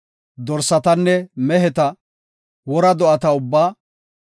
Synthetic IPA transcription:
d̪ɔɾsɐt̪ɐnːɛmɛɦɛt̪ɐ | wɔɾɐd̪ɔʔɐt̪ɐʊbːaː

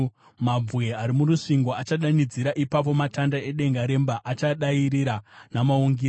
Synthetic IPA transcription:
mab͡vweaɾimuɾuʂiŋɡo̞at͡ʃaɗanid͡ziɾaʔipapo̞matandae̞ɗe̞ŋɡaɾe̞mbaʔat͡ʃaɗaiɾiɾanamauŋɡiɾ

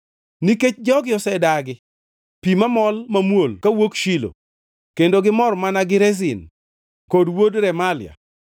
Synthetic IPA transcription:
niket͡ʃd͡ʒɔɡɪɔsɛdaɡɪ | pimamɔlmamwolkawokʃilo̰ | kendoɡɪmɔrmanaɡɪɾɛz̬ɪn | kodwodɾɛmalɪja̰

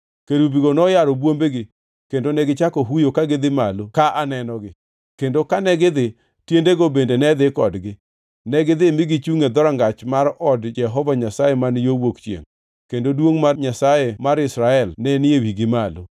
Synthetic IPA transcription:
keɾubiɡonɔjaɾɔbwombeɡɪ | kendonɛɡɪt͡ʃakoɦujokaɡɪd̪ɪmalokaʔanɛnɔɡɪ | kendokanɛɡɪd̪ɪ | tjendeɡobendenɛd̪ɪkɔ̰dɡɪ | nɛɡɪd̪ɪmɪɡɪt͡ʃuŋed̪ɔɾaŋɡat͡ʃmaɾɔdd͡ʒɛɦɔvaɲasajemanjowokt͡ʃjḛŋ | kendodwoŋmarɲasajemaɾɪsɾaɛlnɛnɪewiɡɪmalo

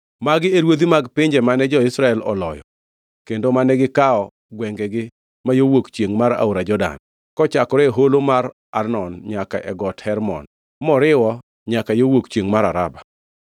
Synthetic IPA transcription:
maɡɪeɾwod̪imaɡpɪɲd͡ʒɛmanɛd͡ʒɔɪsɾaɛlɔ̰lɔjɔ | kendomanɛɡɪkaɔ | ɡwɛŋɡɛɡɪ | majowokt͡ʃjeŋmaɾa̰oɾad͡ʒɔda̰n | kɔt͡ʃakɔɾɛɦolomaɾ | arnɔnɲaka̰ʔɛ̰ɡɔthɛɾmɔ̰n | mɔɾɪwɔ | ɲakajowokt͡ʃeŋmaɾaɾaba

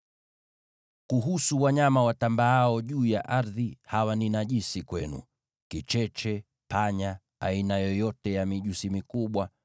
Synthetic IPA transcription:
kuɦusuwaɲamawatambaaɔʄuːjaʔaɾðihawaninaʄisikwɛnṵ | kit͡ʃɛt͡ʃɛ | paɲa | a̰inajɔjɔtɛjamiʄusimikuɓwa

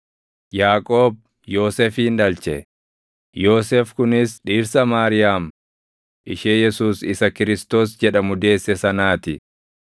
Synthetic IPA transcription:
jaːkʼo̞ːb̚ | jo̞ːseːfiːnᶑɐlt͡ʃɛ̰ | jo̞ːseːfkʊnɪsᶑiːɾsɐmaːɾɪjaːm | ʔɪʃeːjɛsuːsɪsɐkɪɾɪst̪o̞ːsd͡ʒɛᶑɐmʊd̪e̞ːsːɛsɐnaːt̪ɪ

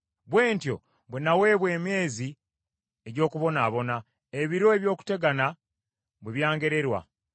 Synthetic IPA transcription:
βwe̞ːntjo̞̰ | βwenawe̞ːβwe̞ːmje̞ːzi | e̞ɟo̞ːkuβo̞naːβo̞na | eβiɾo̞eβjo̞ːku̥te̞ɡana | βweβjaːŋɡe̞ɾe̞ɾwa̰

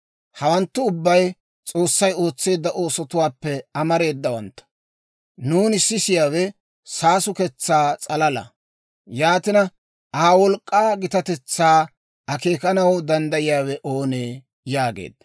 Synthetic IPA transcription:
hɐwɐnt̪ːʊʊbːɐj | t͡sʼo̞ːsːɐjo̞ːt͡sːe̞ːd̪ːɐʔo̞ːsɔt̪ʊwaːpːɛɐmɐɾe̞ːd̪ːɐwɐnt̪ːɐ̥ | nuːnɪsːɪsɪjaːwɛ | saːsʊkɛt͡sːaːt͡sʼɐlɐlɐ̰ | jaːt̪ɪnɐ | ʔaːwɔlkʼːaːɡɪt̪ɐt̪ɛt͡sːaː | ɐke̞ːkɐnɐwd̪ɐnd̪ɐjɪjaːwɛʔo̞ːneː | jaːɡḛːd̪̥̚ːɐ

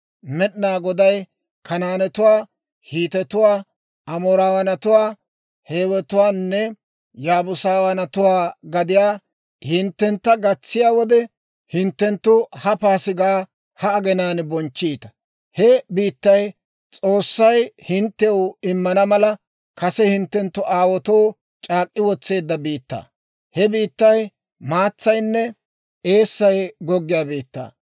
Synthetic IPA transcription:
mɛɗnaːɡɔd̪ɐj | kɐnaːnɛt̪ʊwaː | hiːt̪ɛt̪ʊwaː | ʔɐmoːɾaːwɐnɐt̪ʊwaː | heːwɛt̪ʊwaːnːɛ | jaːbʊsaːwɐnɐt̪ʊwaːɡɐd̪ɪjaː | hɪnt̪ːɛnt̪ːɐɡɐt͡sːɪjaːwɔd̪ɛ | hɪnt̪ːɛnt̪ːʊhɐpaːsɪɡaː | hɐːɡɛnaːnbɔnt͡ʃːiːt̪ɐ̥ | hɛbiːt̪ːɐj | t͡sʼoːsːɐjhɪnt̪ːɛwɪmːɐnɐmɐlɐ | kɐsɛhɪnt̪ːɛnt̪ːʊʔaːwɔt̪oː | t͡ʃʼaːkʼːɪwɔt͡sːe̞ːd̪ːɐbiːt̪ːa̰ː | hɛbiːt̪ːɐj | maːt͡sːɐjnːɛ | e̞ːsːɐjɡɔɡːɪjaːbiːt̪ːa̰ː

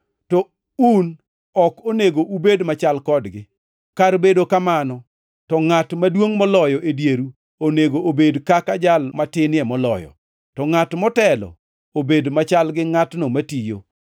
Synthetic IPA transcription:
tɔ | un | ɔkoneɡoʔubedmat͡ʃalkɔdɡɪ | kaɾbedokamanɔ | tɔŋatmadwoŋmɔlɔjɔʔedjeɾu | oneɡoʔobedkakad͡ʒalmatɪnɪɛmɔlɔ̰jɔ̰ | tɔŋatmɔtɛlɔ̰ | obedmat͡ʃalɡɪŋatnomatijo

